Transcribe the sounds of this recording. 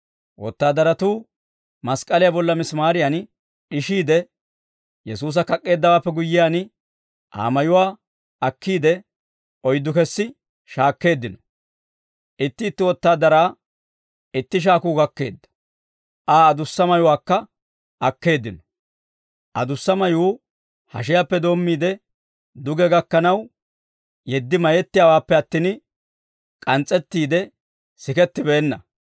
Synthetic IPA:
wɔt̪ːaːd̪ɐɾɐt̪uː | mɐskʼɐlɪjaːbɔlːɐmɪsmaːɾɪjɐn | ɪʃiːd̪ɛ | jɛsuːs̬ɐkɐkʼːe̞ːd̪ːɐwaːpːɛɡʊjːɪjaːn | ʔa̰ːmɐjʊwaː | ɐkːiːd̪ɛ | ʔɔjd̪ːʊkɛsːɪ | ʃaːkːe̞ːd̪ːɪnɔ̥ | ʔɪt̪ːɪːt̪ːɪwɔt̪ːaːd̪ɐɾaː | ɪt̪ːɪʃ̬aːkuːɡɐkːe̞̰ːd̪ːɐ̥ | ʔaːd̪ʊsːɐmɐjʊwaːkːɐ | ʔɐkːe̞ːd̪ːɪnɔ̥ | ʔɐd̪ʊsːɐmɐjuː | hɐ̰ʃ̬ɪjapːɛd̪o̞ːmːiːd̪ɛ | d̪ʊɡɛɡɐkːɐnɐw | jɛd̪ːɪmɐjɛt̪ːɪjawaːpːɛɐt̪ːiːn | kʼɐnt͡sʼːɛt̪ːiːd̪ɛ | sɪkɛt̪ːɪbɛːnːɐ

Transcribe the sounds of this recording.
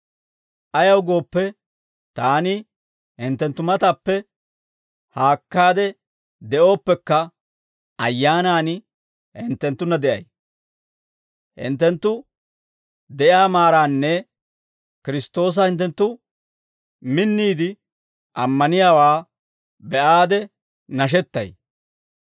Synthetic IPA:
ʔɐjɐwɡo̞ːpːɛ | t̪aːnɪ | hɪnt̪ːɛnt̪ːʊmɐt̪ɐpːɛ | haːkːaːd̪ɛ | d̪ɛʔo̞ːpːɛkːɐ | ɐjːaːnaːnɪ | hɪnt̪ːɛnt̪ːʊnːɐd̪ɛʔɐ̰j | hɪ̰nt̪̬ːɛnt̪ːʊ | d̪ɛjaːmaːɾaːnːɛ | kɪɾɪst̪o̞ːs̬ɐhɪnt̪̬ːɛnt̪ːʊ | mɪnːiːd̪ɪ | ʔɐmːɐnɪjaːwaː | bɛʔaːd̪ɛ | nɐʃ̬ɛt̪ːɐ̰j

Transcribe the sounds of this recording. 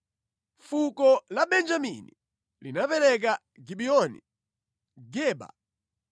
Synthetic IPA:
fukɔlaɓɛnd͡ʒamini | linapɛlɛk̬a | ɡiɓiɔnḭ | ɡɛːɓa̰

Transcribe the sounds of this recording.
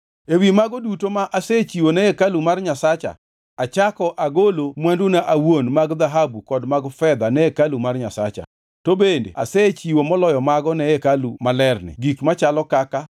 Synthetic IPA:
ewimaɡɔdutomaʔaset͡ʃiwonɛekalumarɲasat͡ʃa̰ | at͡ʃakɔʔaɡolomwandunaʔawonmaɡd̪aɦabukɔdmaɡfɛd̪anɛekalumarɲasat͡ʃa̰ | tobendḛa̰set͡ʃiwomɔlɔjɔmaɡɔnɛekalumalɛrnɪ̰ɡikmat͡ʃalɔkaka

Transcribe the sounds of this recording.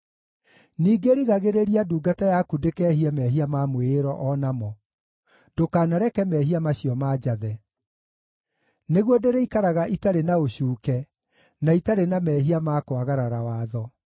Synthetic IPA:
niːɡeɾiɣaɣeɾeɾiaduːɡatajakudekɛːɦiamɛɦiamamweɾɔʔɔnamɔ | dokaːnaɾɛkɛmɛɦiamaɕiɔmaːd͡ʑaðɛ | neɣwɔdeɾeikaɾaɣaʔitaɾenaoɕuːkɛ | naitaɾenamɛːɦiamaːkoaɣaɾaɾawaːðɔ

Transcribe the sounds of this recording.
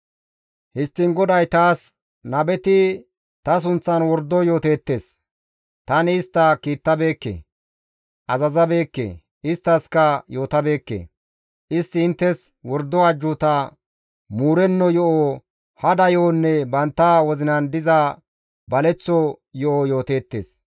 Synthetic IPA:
hɪst̪ːɪŋɡɔd̪ɐjt̪aːs | nɐbɛt̪ɪ | t̪ɐs̬ʊnt͡sːɐnwɔɾd̪ɔjo̞ːt̪e̞ːt̪ːe̞ːs | t̪ɐnɪːst̪ːɐkiːt̪ːɐbe̞ːkːḛː | ʔɐzɐzɐbe̞ːkːḛː | ɪst̪ːɐskɐjo̞ːt̪ɐbe̞ːkːḛː | ʔɪst̪ːɪɪnt̪ːɛs | wɔɾd̪ːɔɐd͡ʒːut̪ɐ | muːɾɛnːɔjɔʔo | hɐd̪ɐjoːnːɛbɐnt̪ːɐwɔzɪnɐnd̪ɪzɐ | bɐlɛt͡sːɔjɔʔɔjo̞ːt̪e̞ːt̪ːḛːs

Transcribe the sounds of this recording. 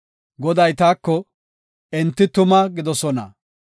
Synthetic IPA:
ɡɔd̪ɐjt̪aːkːɔ | ɛnt̪ːɪt̪ʊmɐɡɪd̪ɔsɔnɐ̰

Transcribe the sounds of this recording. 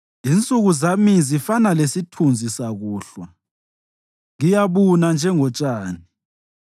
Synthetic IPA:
int͡sʼuɣuzamizifanalesitʰund͡zʱisaɣuːɬwa | ŋijaβunand͡ʒʱɛŋɔt͡ʃʼaːni

